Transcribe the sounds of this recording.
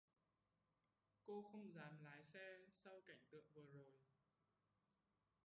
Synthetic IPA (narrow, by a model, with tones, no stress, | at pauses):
ko˧xə˧wŋ͡mzaː˨˩mlaː˨˦jsɛ˧sa˧wka˧˩jŋ̟t̪ɨ̰˧˨əŋvəː˨˩zo˨˩j